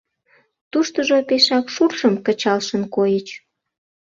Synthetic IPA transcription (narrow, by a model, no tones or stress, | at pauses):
t̪uʃt̪əʒopeʃɑkʃurʃəmkət͡ɕɑlʃənkojət͡ɕ